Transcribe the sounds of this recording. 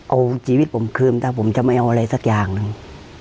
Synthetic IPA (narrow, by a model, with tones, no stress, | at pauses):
ʔa˧wt͡ɕʰiː˧wi˦˧t̪̚pʰo˩˦mkʰɯː˧˩mt̪ʰaː˧˩pʰo˨˩˦mt͡ɕa˧ma˧˥˩jʔa˧wʔa˧ɾa˧jsaː˧˩k̚jaː˨˩ŋnɯ˧ŋ